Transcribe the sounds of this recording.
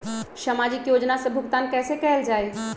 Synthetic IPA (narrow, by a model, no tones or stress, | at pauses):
səmad͡ʒikjod͡ʒnasẽbʱuɡt̪ankɛsekɛɦeld͡ʒaːj